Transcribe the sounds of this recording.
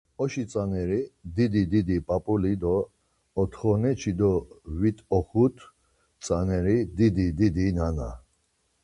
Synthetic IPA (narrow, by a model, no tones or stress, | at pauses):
ɔʃit͡sʼanɛɾid̪id̪id̪id̪ipʼapʼulid̪ɔː | t̪ʰχɔnɛt͡ʃʰid̪ɔvit̪ʼɔχut̪ʰ | t͡sʼanɛɾid̪id̪id̪id̪inana̰